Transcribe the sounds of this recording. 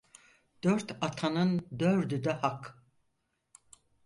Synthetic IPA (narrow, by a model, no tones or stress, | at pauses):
d̪̥øɾt̪ʰat̪ʰanɯnd̪øɾd̪yd̪ɛhak